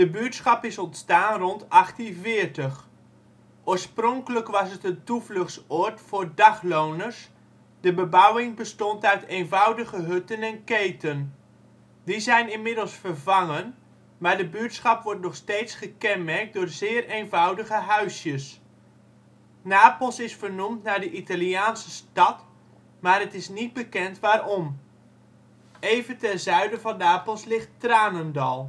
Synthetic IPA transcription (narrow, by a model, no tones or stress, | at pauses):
d̥əbyətsχɑpɪsɔntstaːnrɔntɑχtənvɪːrtəχ | ʔoːɹsprɔŋkələkʋɑsətəntuvlɵχsɔɹtfʊːɹdɑχlownərs | dəbəbʌwɪŋbəstɔntœɥtejnvʌwdəɣəɦɵtənɛnkejtən | dizɛjnɪnmɪdəlˠsfərvɑŋən | maːɹdəbyətsχɑpʋɔɹtnɔχstejtsχəkɛnmɛrk̚dʊːɹzɪːrejnvʌwdəɣəɦœɥsjəs | naːpəlˠsɪsfərnumtnaːɹdəʔitaliaːnsəstɑt | maːɹətɪsnid̚bəkɛntʋaːɾɔm | ejvəntɛnzœɥdəvɑnːaːpəlˠslɪχtraːnəndɑlˠ